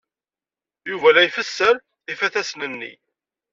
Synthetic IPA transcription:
juvælæjfəsːəɾ | ifæθæsnənːḭ

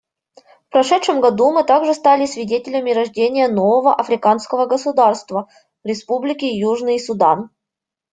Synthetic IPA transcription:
fpɾɐʂɛt̪ʂɨmɡɐd̪umɨt̪aɡʐɨst̪alʲɪsvʲɪdʲetʲɪlʲəmʲɪɾɐʐdʲenʲɪjəno̞vəvəʔɐfɾʲɪkanskəvəɡəsʊd̪arst̪və | ɾʲɪspublʲɪkʲɪjuʐnɨjsʊd̪an

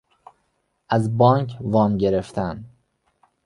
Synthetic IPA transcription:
ʔæzbɒːŋkʰvɒːmɟeɾe̞ft̪ʰæn

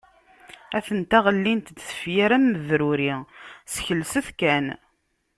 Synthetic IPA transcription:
æθənt̪æʁəlːint̪d̪sə̥fjaɾæmːəðɾʊɾisəçəlːsuθkæn

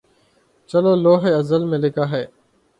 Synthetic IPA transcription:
t͡ʃəloːloːɦeːəzəlmẽːlɪkaːɦeː

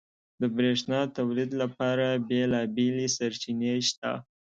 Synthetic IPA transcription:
d̪əbɾeʂnɑt̪awlid̪lapɑɾabelɑbelisaɾt͡ʃineʃt̪a̰

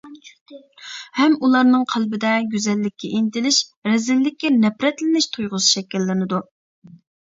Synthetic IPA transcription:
hɛmulˠɑɾnɨŋqʰælˠbɪd̪ɛɡʲyzɛlːɪkʲʰːɛʔint̪ɪlɪʃɾɛzɪlːɪkʲːɛnɛpɾɛt̪lɪnɪʃt̪ʰujʁʊsɨ̥ʃɛkʲːilːɪnɨd̪u

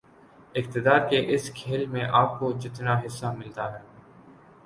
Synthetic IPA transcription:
ɪk̚t̪ɪd̪aːɾkeʔɪskʰeːlmẽʔaːp̚kod͡ʒɪt̪naɦɪsːamɪlt̪aɦɛː

